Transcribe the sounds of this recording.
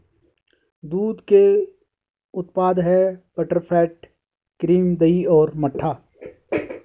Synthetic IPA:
d̪uːd̪ke | ʊt̪paːd̪ɦɛpəʈəɾpʰɛːʈ | kɾiːmd̪əiɔːɾmɐʈʰːaː

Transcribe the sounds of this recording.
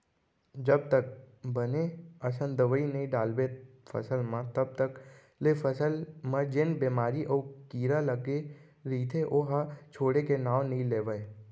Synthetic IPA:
d͡ʒɐb̚t̪ək̚ | bəneɐsə̃nd̪əʋəinɐĩɖaːlbepʰə̰səlmãt̪ɐb̚t̪ək | lefʰəsəlmãd͡ʒɪnbeːmaːɾiʔɔːkiːɾaləɡe | ɾiːt̪ʰeʔoɦat͡ʃʰoːɽekenaːʋnɐĩleːʋəe

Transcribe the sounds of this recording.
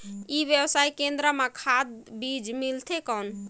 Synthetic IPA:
ibjəbsaikend̪ɾəmakʰad̪bid͡ʒmilt̪ʰekɔn

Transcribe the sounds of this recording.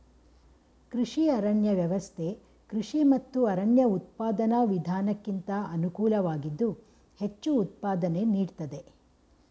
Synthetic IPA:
kɾiʂiɐɾɐɳjɐʋjɐʋɐst̪ʰe̞ | kɾiʂimɐt̪ːuɐɾɐɳjɐut̪̚paːd̪ɐnɐʋid̪ʱaːnɐkːint̪ɐɐnukuːlɐʋaːɡid̪ːu | he̞t͡ʃːuːt̪̚paːd̪ɐne̞niːɖt̪ɐd̪e̞

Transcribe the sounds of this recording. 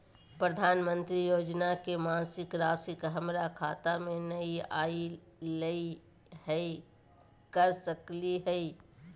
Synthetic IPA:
pɾəd̪ʱaːnmə̃nt̪ɾijoːd͡ʒnakemãːnsɪkɾaːsɪkɦɐmɾakʰaːt̪amẽnɐiaːi | lei | ɦɛ | kəɾsəkliɦɛi

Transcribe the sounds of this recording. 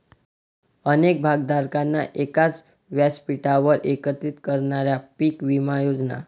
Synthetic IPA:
ənek̚bʱaɡd̪ʱaɾkanːaʔekat͡s | ʋjaspiʈaʋəɾʔekət̪it̪kəɾɳaɾjapiːkʋimajod͡zna̰

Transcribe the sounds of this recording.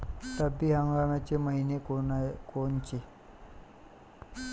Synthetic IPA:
t̪əbːiɦə̃ŋɡamjat͡ɕeməɦinekokont͡ɕe

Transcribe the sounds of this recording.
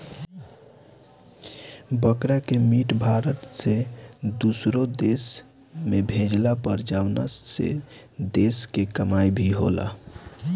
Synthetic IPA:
bəkɾakemiʈbʱaɾəʈ̪sed̪usɾod̪es | mebʱẽd͡ʒlapəɾd͡ʒawnə̰ssḛ | d̪eskekəmajbʱiɦo̰la̰

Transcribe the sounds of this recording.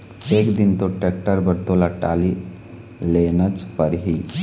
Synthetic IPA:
ekd̪int̪oʈɛk̚ʈəɾbəɾt̪olaʈali | lenət͡spəɾɦi

